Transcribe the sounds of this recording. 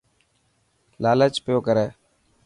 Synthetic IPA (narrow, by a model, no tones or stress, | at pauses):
laːlət͡ʃpɪjoːkəɾeː